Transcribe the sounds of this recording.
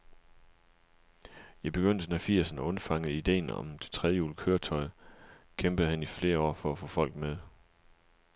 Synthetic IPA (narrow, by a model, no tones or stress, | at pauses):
jɑ̈ɪb̥e̝ɡ̥øn̰d̥ənæfiɐ̰sənæɔ̽nfɑ̈ŋ̰ð̩ˠid̥e̝̰ːnɒ̰̽md̥e̝̥t͡sʰʁɛð̞ˠjəjṵːlkʰøːɐt͡sʰɒ̽ɪ | kʰemb̥ð̩ˠhænifle̝ːɐɒ̰ːfɒ̽æfɔːfɒ̽l̰ɡ̥̚með̞ˠ